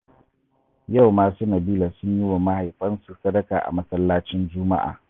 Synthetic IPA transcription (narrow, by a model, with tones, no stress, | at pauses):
ja˦˨wmaː˦suː˦nɐ˨biː˦la˨sʊ˦ɲji˦wa˨ma˦ha˨jɸɐ˦nsu˨sɐ˦dɐ˦kaː˨ʔa̰˨mɐ˦sɐ˦lːaː˦t͡ʃɪ˦nd͡ʒʊː˦ma̰˦ʔa̰ː˨